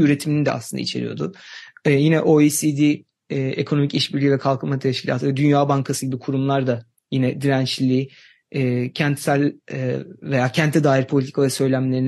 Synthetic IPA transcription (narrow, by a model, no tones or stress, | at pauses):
yɾe̞t̪ʰiminid̪ɛ̰a̰slˠɯnd̪a̰ḭt͡ʃʰe̞̰ɾḭjo̞̰d̪ʊjinɛʔo̞isid̪iː | ekʰo̞no̞miciʃbiɾlʲivɛkʰalˠkʰɯmat̪ʰɛʃcʰilʲa̰ːt̪ʰɯvɛd̪ynjaːbaŋkʰasɯɟibikʰuɾumlˠaɾd̪a | jinɛd̪iɾænt͡ʃlʲiː | ɛːcʰænt̪sælʲ | ve̞jaːcʰænt̪ʰɛd̪aːiɾpʰo̞lʲit̪ʰi̥kʰavɛsøjlʲæmlʲe̞ɾin